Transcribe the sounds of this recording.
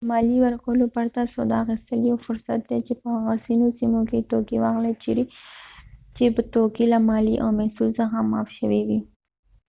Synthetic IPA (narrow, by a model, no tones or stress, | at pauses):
mɑliwəɾkəwlopaɾt̪asod̪ɑ̰xist̪əliawfʊɾsa̰t̪̚d̪et͡ʃepəhaɣasinosimoket̪okiwaɣlet͡ʃiɾi | t͡ʃepət̪okilamɑliʔawmɛsulsəxamɑ̰fʃəwiwi